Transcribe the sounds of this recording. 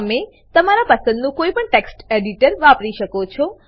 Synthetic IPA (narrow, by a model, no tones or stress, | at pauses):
me | t̪əmaɾapəsə̃nd̪nũkoipəɳʈeksʈeɖiʈəɾʋapɾiʃəkot͡ʃʰɔ